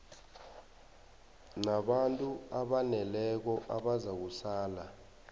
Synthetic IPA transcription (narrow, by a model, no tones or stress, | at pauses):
naɓantʼuaɓanɛlɛk̬ɔʔaɓazak̬usaːla